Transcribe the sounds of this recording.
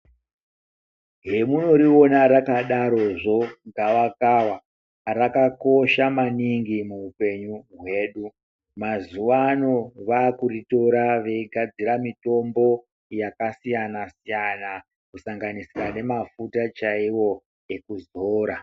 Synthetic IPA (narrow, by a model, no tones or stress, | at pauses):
ɦe̞muno̞ɾio̞naɾakaɗaɾo̞ʐo̞ɡaʋakawa | rakakoʃamaniŋɡimuupe̞ɲuɦwe̞ːɗu | mazuʋano̞ʋaːkurito̞ɾaʋe̞iɡʱad͡ziɾamito̞mbo̞ | jakasijanasijana | kusaŋɡanisirane̞mafutat͡ʃaiwo̞ | e̞kuzoːɾa